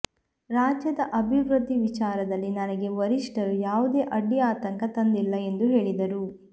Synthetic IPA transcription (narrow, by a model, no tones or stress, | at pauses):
ɾaːd͡ʒjɐd̪ɐʔɐbʱiʋɾud̪ʱːiʋit͡ʃaːɾɐd̪ɐlːinɐnɐɡe̞ʋɐɾiʂʈɐɾujaːʋud̪e̞ːʔɐɖːiaːt̪ɐŋkɐt̪ɐnd̪ilːɐe̞nd̪uɦe̞ːɭid̪ɐɾu